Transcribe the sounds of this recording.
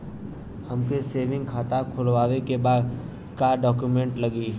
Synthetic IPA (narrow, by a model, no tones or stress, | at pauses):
həmkeseːʋɪ̃ŋɡkʰaːt̪akʰʊlʋaːʋekebaːd̪ | kaːɖɔːkjumẽɳʈlɐɡiː